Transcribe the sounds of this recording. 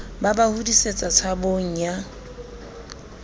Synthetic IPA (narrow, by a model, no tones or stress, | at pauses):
babahudiset͡sʼat͡sʰaboŋ̩ja